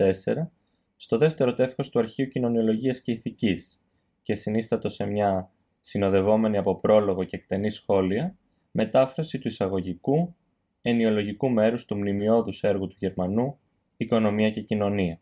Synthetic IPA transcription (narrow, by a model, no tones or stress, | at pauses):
e̞se̞̰ɾɐ | st̪o̞ðe̞ft̪e̞ɾo̞t̪e̞fko̞st̪uɐɾçiucino̞nio̞lo̞ʝiɐsce̞iθicis | ce̞sinist̪ɐt̪o̞se̞mɲɐ | sino̞ðe̞vo̞me̞niɐpo̞pɾo̞lo̞ɣo̞ce̞ːkt̪e̞nisxo̞liɐ | me̞t̪ɐfɾɐsit̪uisɐɣo̞ʝiku | e̞nio̞lo̞ʝikume̞ɾust̪umnimio̞ðuse̞ɾɣut̪uʝe̞ɾmɐnu | iko̞no̞miɐce̞cino̞niɐ